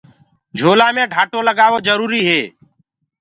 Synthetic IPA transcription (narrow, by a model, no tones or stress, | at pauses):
d͡ʒʱoːlaːmẽːɖʱaːʈoːləɡaːʋoːd͡ʒəɾuːɾiːɦeː